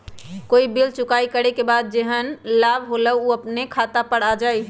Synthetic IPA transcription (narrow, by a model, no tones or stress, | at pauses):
koːibilt͡ʃʊkaːikəɽekebaːd̪̚d͡ʒeɦənlaːbɦoləuəpnekʰaːt̪apəɽad͡ʒaːi